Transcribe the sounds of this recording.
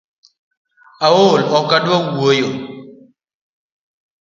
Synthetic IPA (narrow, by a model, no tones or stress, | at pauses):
awolɔkadawojo